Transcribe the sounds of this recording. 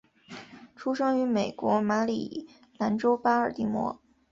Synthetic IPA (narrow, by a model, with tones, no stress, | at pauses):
ʈ͡ʂʰu˥ʂɤ˥ŋy˧˥me˨˩ɪkwɔ˧˥ma˧˥lḭ˨˩ | na˧˥nʈ͡ʂo˥ʊpa˥ə˞˨˩t̪i˧˥˩mwɔ̰˧˥